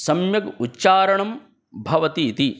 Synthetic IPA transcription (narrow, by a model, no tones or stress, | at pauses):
sɐmjɐɡutːʃaːɾɐɳɐm | bʱɐʋɐt̪it̪i